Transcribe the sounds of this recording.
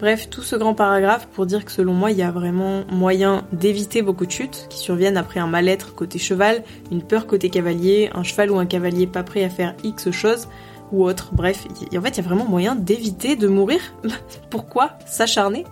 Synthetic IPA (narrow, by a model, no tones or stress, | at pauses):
b̥ʁɛft̪usəɡʁɑ̃paʁaɡʁafpuʁd̪iʁkə̥səlɔ̃mwailjavʁɛmɑ̃mwajɛ̃d̪evit̪evokud̪əʃyt̪kʲi̥syʁvjɛnapχɛɛ̃malɛt̪χkot̪eʃəval | ynpœʁkot̪ekavaljeɛ̰̃ʃəvaluɛ̃kavaljepapχɛafɛʁiksəʃoz | uot̪χbʁɛfḭɑ̃fɛt̪ijavʁɛmɑ̃mwajɛ̃d̪evit̪ed̪əmuʁiʁ | puʁkwa | saʃaʁne